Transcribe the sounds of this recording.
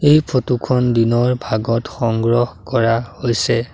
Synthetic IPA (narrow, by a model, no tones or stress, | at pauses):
ejpʰotukʰɔndinɔɹbʱaɡɔtxɔŋɡɹɔhkɔɹahojsɛ